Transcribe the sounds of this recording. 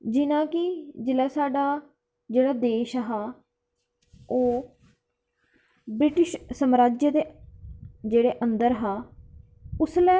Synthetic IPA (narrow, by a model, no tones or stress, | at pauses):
d͡ʒɪnãːkɪd͡ʒɪlɛːsaːɖaː | d͡ʒeːɽaːd̪eːʃɦaː | oː | bɾɪʈɪʃsəmɾaːd͡ʒjəd̪eː | d͡ʒeːɽeːʔənd̪əɾɦaː | ʊslɛː